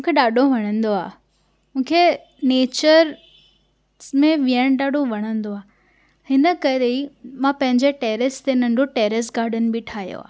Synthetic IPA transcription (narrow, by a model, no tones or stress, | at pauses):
mũːkʰeɗaːɗʱoʋɐɽ̃ə̃nd̪oaː | mũːkʰe | neːt͡ɕəɾ | mẽʋijəɽ̃ɗaːɖʱoʋɐɽ̃ə̃nd̪oaː | hɪnə̆kɐɾeimãpɐ̃ɦɪ̃ɲd͡ʑeʈeːɾɪst̪enɐ̃ɳɖʱoʈeːɾɪs̬ɡaːɾɖən̆bɪʈʰaːɦijo̰a̰ː